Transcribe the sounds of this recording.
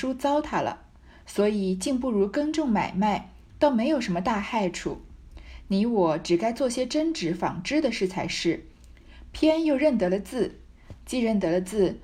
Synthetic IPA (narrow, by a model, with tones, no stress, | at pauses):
ʂu˥t͡sɑ˥ʊt̪ʰa˥lə̰˩ | swɔ˧˥i˨˩t͡ɕi˥˧ŋpu˥˩ɻu˧˥kə˥ŋʈ͡ʂʊ˥˩ŋma˨˩ɪma˥˩ɪ | t̪o˥ʊme˧˥ɪjo˨˩ʊʂə˧˥mə˧t̪a˥˧xa˥˧ɪʈ͡ʂʰṵ˨˩˦ni˧˥wɔ˨˧˥ʈ͡ʂɻ̩˨˩ka˥ɪt͡swɔ˥˩ɕjɛ˥ʈ͡ʂə˥ŋʈ͡ʂɻ̩˧˥fɑ̰˨˩ŋʈ͡ʂɻ̩˥˩d̪ə˨ʂɻ̩˥˩t͡sʰa˧˥ɪʂɻ̩˥˩ | pʰjɛ˥njo˥˧ʊɻə˥˩nt̪ɤ˧˥lə˧t͡sɹ̩˥˩ | t͡ɕi˥˧ɻə˥˩nt̪ɤ˧˥lə˧t͡sɹ̩˥˩